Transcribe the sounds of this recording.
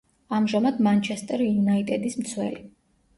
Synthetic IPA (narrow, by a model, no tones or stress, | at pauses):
amʒamad̪mant͡ʃʰɛst̪ʼɛɾijunait̪ʼɛd̪ismt̪sʰwɛ̰li